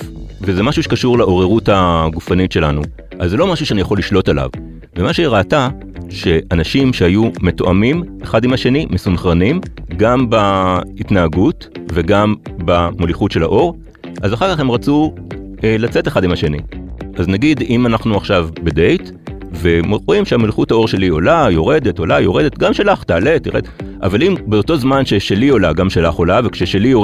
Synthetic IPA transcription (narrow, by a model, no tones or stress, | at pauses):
vezemaʃuʃekaʃuʁlaʔo̞ʁeʁuthaɡufanitʃe̞lanu | ʔazːelo̞maʃuʃeanijaχo̞lːiʃlo̞tala̰v | vemaʃeʁaːta | ʃe̞ʔanaʃimʃehajume̞toʔamimeχadimhaʃe̞nimesunχʁanimɡambaitnaaɡut | ve̞ɡambamoliχutʃe̞lhaʔo̞ʁ | ʔazaχaʁkaχhe̞mʁat͡su | elat͡seteχadimhaʃe̞nḭʔaznaɡidimanaχnuaχʃavbede̞jt | vemoʁoimʃeamoliχuthao̞ʃe̞lio̞lajo̞ʁe̞de̞to̞lajo̞ʁe̞detɡamʃelaχtaːle̞tːiʁedʔa̰valimbeoto̞zmanʃe̞ʃelio̞laɡamʃelaχo̞lavekʃeʃelijo